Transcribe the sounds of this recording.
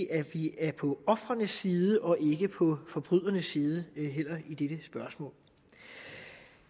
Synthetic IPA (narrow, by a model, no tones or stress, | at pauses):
ʔæʋiæɐpʰɒ̽ɒ̽fʁɐnəsiːðˠəʔɒ̽ʔe̝ɡ̥əpʰɒ̽fɒ̽b̥ʁyð̰ˠɐnəsiːð̞ˠəɦel̰ɐid̥eɾ̥əsb̥ɶɐsmɔ̰̽ːl